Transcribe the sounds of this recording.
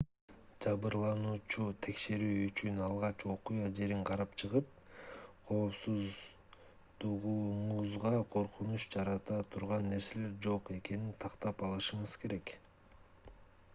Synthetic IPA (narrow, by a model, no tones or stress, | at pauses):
d͡ʒɑβɯɾlˠɑnuːt͡ʃut̪ʰe̞kʃe̞ɾyːyt͡ʃynɑlˠʁɑt͡ʃo̞qujɑd͡ʒe̞ɾiɴqʰɑɾɑpt͡ʃʰɯʁɯp̚ | qʰo̞ːpsuz | d̪uʁuɴuzʁɑqʰo̞ɾqunuʃd͡ʒɑɾɑt̪ɑt̪ʰuɾʁɑnːe̞ɾse̞le̞ɾd͡ʒo̞qe̞ke̞nint̪ʰɑqt̪ɑpɑlˠɯʃɯɴɯz̥kʰe̞ɾe̞k